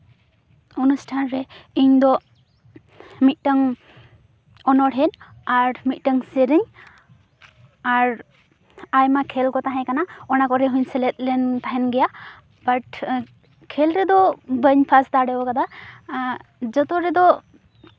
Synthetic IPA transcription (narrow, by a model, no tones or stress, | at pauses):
unusʈʰanɾɛiɲd̪ɔ | mit̪̚ˀʈəŋ | ɔnɔɽɦɛnaɾmit̪̚ˀʈəŋsəɾəɲ | aɾ | ajmakʰɛlkɔt̪aɦɛ̃kanaɔnakɔɾɛɦuɲsɛlɛt̪̚lɛnt̪aɦɛnɡɛja | baʈ | kʰɛlɾɛd̪ɔbəɲpʰast̪aɽɛbɔkad̪a | d͡ʒɔt̪ɔɾɛd̪ɔ